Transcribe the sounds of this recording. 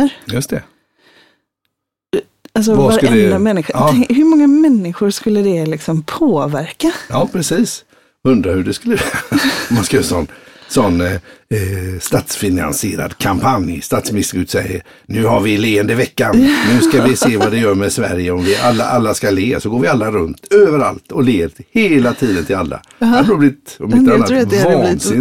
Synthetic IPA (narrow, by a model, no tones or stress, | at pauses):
əɾjɵst̪ʰɛ | als̬ɔvaɾalɛəɛamɛnːɪɧʊɑɛŋhɵɾmɔŋːamɛnːɪɧʊɾʂkɵlːəd̪ɛlɪksɔmpʰoːvæɾkajɑːpʰɾɛsiːs | ɵnd̪ɾahɵɖɛskɵlːəvɛɔmːanskajɑːsɔnːsɔnː | st̪aːt̪sfɪna̰nsɪeːɾa̰d̪kʰampʰanjst̪aːt̪smɪnɪst̪əɾʉːt̪sɛjːə̰ɾ | nʉ̟ːɦaɾvɪleːənd̪əvɛkːannʉ̟ːskavɪseːvad̪ɛjœːɾmɛsvæ̰ɾjəɔmvɪʔalːa̰ʔalːaskaleːsɔɡoːɾvɪalːaɾɵnt̪øːvəɾa̰lt̪ɔleːɾheːlat̪ʰiːd̪ənt̪ʰɪlalːa̰ | aɾublɪt̪ɔmɪt̪ːanːat̪vɑːsɪn